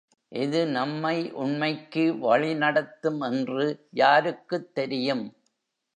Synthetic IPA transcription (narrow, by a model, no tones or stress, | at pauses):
ʔɪðɯnɐmːɐɪʔʊɳmɐɪkːɯʋɐɭɪnɐɽɐt̪ːɯmɛndrɯjaːɾɯkːɯt̪ːɛɾɪjɯm